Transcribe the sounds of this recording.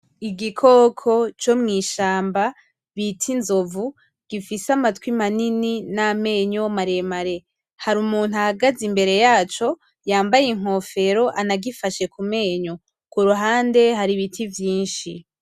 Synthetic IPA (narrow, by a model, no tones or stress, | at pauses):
iɡikʰo̞kʰo̞t͡ʃo̞mŋiːʃaːmba | βitʰinzo̞vu | ɡ̥ifisamatwimanininame̞ːɲomaɾe̞maɾe̞ | haɾumuːn̥uahaɡazimbe̞ɾe̞jaːt͡ʃo̞ | jaːmbajiŋ̥o̞fe̞ɾo̞ʔanaɡifaʃe̞kume̞ːɲo̞ | kuɾuɦaːnde̞ɦaɾiβitʰivjiːnʃi